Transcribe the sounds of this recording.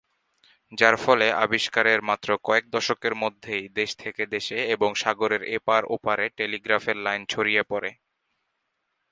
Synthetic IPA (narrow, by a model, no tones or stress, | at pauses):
d͡ʑaɾfɔleʔa̰biʃkaɾeɾmat̪ːɾokɔek̚d̪ɔʃokeɾmod̪ʱːejd̪eʃt̪ʰeked̪eʃeeboŋʃaɡoɾeɾepaɾo̰paɾeʈeliɡɾafeɾlajnt͡ɕʰoɾijepɔɾḛ